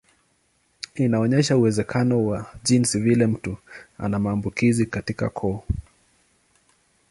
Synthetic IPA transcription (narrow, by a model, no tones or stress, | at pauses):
inaɔɲɛʃauwɛzɛkʰanɔwaʄinsivilɛm̩tua̰namaːmbukizikatika̰kʰɔː